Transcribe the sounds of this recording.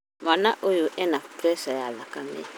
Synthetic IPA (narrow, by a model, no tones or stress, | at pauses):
manaʔojoʔɛnapɾɛsajalakamḛ